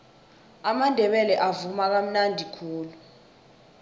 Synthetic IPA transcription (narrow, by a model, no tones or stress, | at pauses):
amandʱɛɓɛlɛʔavumak̬am̩nandʱikʰuːlu